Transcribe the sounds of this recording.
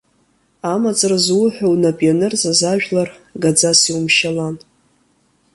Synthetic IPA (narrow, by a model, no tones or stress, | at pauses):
amat͡sʼrazwʊħʷᶣawnapʼianɨrzʼazaʒᶣlarɡad͡zasiwumʃalan